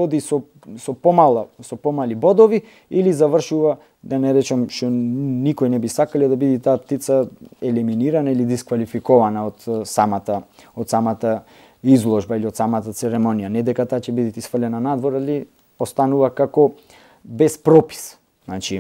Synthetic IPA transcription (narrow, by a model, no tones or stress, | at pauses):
ɔd̪isɔ | sɔpɔmalˠasɔpɔmalibɔd̪ɔvi | ilizavr̩ʃuva | d̪anɛɾɛt͡ʃamʃt̪ɔnikɔjnɛbisakalɛd̪abid̪it̪aːpt̪it̪saɛliminiɾanailid̪iskvalifikɔvanaot̪samat̪a | ot̪samat̪a | izlˠɔʒbailiot̪samat̪at̪sɛɾɛmɔnijanɛd̪ɛkat̪aːcɛbid̪it̪isfərlɛnanad̪vɔɾali | post̪anuvakakɔ | bɛspɾɔpi̥s | nat͡ʃi